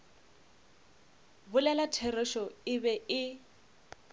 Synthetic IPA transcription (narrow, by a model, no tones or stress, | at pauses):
bʊlɛlatʰerɪʃɔɪbɛɪ